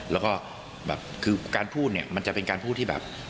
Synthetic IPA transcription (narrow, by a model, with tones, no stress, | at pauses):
lɛː˦˥wkɔː˥˩ | bɛ̰ː˨˩p̚kʰɯː˧kaː˧npʰuː˥˩t̪̚ni˥˩ɐma˧nt͡ɕa˨˩pe˧nkaː˧npʰuː˥˩t̪ʰːiː˥˩bɛ̰˨˩p̚